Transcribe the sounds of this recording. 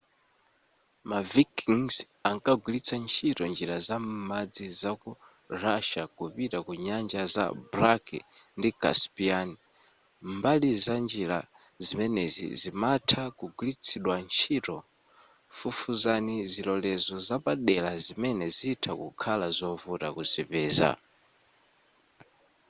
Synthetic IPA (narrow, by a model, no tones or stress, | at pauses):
mavikiŋz | aŋkʼaɡwilit͡sʰant͡ʃʰitɔnd͡ʒiɾazammad͡zizaku | ɾaʃakupitakuɲand͡ʒaza̰bɾakɛ̰ | ndikʼa̰spiani | mbalizand͡ʒiɾa̰ | zimɛnɛzḭzimatʰakuɡulit͡sʰiɗwant͡ʃʰitɔ | fufuzanizilɔlɛzɔzapaɗɛlazimɛnɛziːtʰakukʰalazɔvuta̰kuzʷipɛːza̰